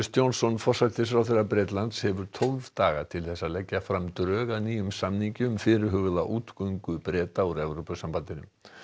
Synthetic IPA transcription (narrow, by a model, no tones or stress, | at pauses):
st̪jownsɔnfɔr̥sat̪ɪs̬fɾawθerːapɾɛːt̪lant̪shɛvʏɾ̥t̪ʰolvt̪aːɣa̰t̪ʰɪlθɛsːalɛcːafɾamt̪ɾœːɣaðniːjʏmsamniɲcʏʏmfɪɾɪɾɦʏːɣʏðaʔuːt̪kœɥŋkʏpɾɛːt̪auɾɛvɾowpʏsampant̪ɪnʏ̰m